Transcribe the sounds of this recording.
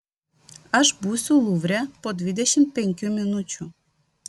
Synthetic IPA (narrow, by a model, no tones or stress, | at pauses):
aʃbusʲulˠuvɾʲapɔd̪vʲid̪ɛɕimpeŋʲkʲjumʲinut͡ɕu